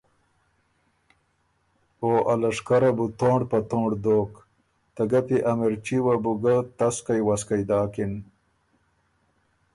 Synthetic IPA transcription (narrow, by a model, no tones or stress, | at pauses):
oːʔɐlɐʂkaɾɐbut̪oːɳɖpɐt̪oːɳɖd̪oːk | t̪ɐɡɐpiʔɐmiɾt͡ɕiwabuɡɐt̪ɐskajwaskajd̪aːkin